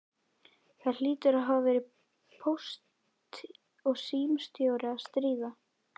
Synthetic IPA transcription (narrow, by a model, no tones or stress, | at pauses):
θaliːt̪ʏɾaðɦavavɛːɾɪ | pʰowst̪ | ɔɣsiːmst̪jowɾɪaðst̪ɾiːva